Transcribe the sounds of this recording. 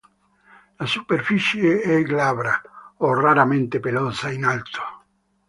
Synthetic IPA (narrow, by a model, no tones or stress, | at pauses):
lasupeɾfisjeɛɡlaβɾaoraɾamẽnt̪epelosainalt̪ʰo̥